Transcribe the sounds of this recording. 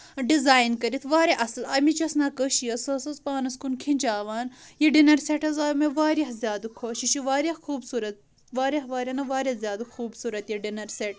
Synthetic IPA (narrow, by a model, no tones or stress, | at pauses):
ɖizaːjnkɐɾit̪ʰʋaːɾeʔɐslɐːmit͡ʃɐsnaːkəʃijɐsɐsɐspaːnɐskunkʰinʲd͡ʒaːʋaːnjeɖinɐɾseʈɐzaːmeʋaːɾiɦzʲjaːd̪ukʰoːʃiʃiʋaːɾʲɐhxuːbsuːɾɐt̪̚ | ʋaːɾʲeɦʋaːɾʲɐnɐʋaːɾɐzʲjaːd̪uxuːbsuːɾɐt̪jeɖinɐɾseʈ